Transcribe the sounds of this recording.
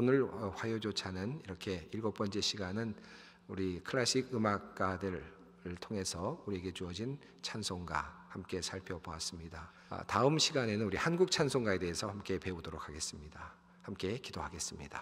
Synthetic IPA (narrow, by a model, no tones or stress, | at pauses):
onɯɭɸwajod͡ʑot͡ɕʰanɯniɾʌkʰe̞iɭɡok̚p͈ʌnt͡ɕ͈e̞ɕʰiɡanɯn | uɾikʰɯɾaɕ͈ʰiɡɯmak̚k͈adɯɾ | ɯɭtʰoŋe̞sʰʌuɾie̞ɡe̞t͡ɕuʌd͡ʑin | t͡ɕʰansʰoŋɡa̰hamk͈e̞sʰaɭpʰjʌboas͈ɯmɲida̰ | taɯmɕʰiɡane̞nɯnuɾihanɡuk̚t͡ɕʰansʰoŋɡae̞de̞esʰʌhamk͈e̞pe̞udoɾok̚ʰaɡe̞s͈ɯmɲida | hamk͈e̞kidohaɡe̞s͈ɯmɲid̥a̰